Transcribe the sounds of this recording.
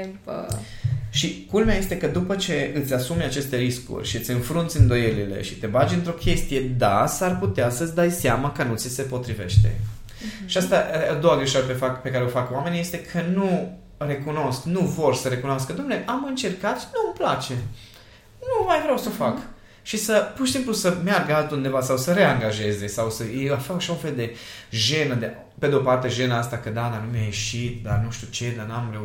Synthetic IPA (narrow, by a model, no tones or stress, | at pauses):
pə̰ | ʃikulmeaje̞st̪e̞kəd̪upət͡ʃe̞ɨt̪sʲasumeat͡ʃe̞st̪e̞ɾiskṵrʲʃiɨt̪sʲɨnfɾunt̪sʲɨnd̪o̞je̞lile̞̰ʃit̪e̞bad͡ʒɨnt̪ɾo̞kʲe̞st̪ije̞d̪asarput̪easət̪sʲd̪ajseaməkənut̪sise̞po̞t̪ɾive̞̰ʃt̪e̞̰ | ʃiast̪aad̪o̞waɡɾeʃaɾəpefakpe̞kaɾeofakwame̞nije̞st̪e̞kʰənu | re̞kuno̞sknuvo̞rsəɾe̞kunoaskəd̪omneʔamɨnt͡ʃe̞rkat̪numplat͡ʃe̞ | numajvɾeawsəofak | ʃisəpurʃisimplusəmearɡəalt̪und̪e̞vasawsəɾe̞aŋɡaʒe̞ze̞sawsəjeafakʃaunfe̞ld̪e̞ʒe̞nəd̪e | pe̞d̪eopart̪e̞ʒe̞naast̪akəd̪ad̪anumejajeʃit̪̚d̪arnuʃt̪ʲut͡ʃe̞d̪anamɾe̞u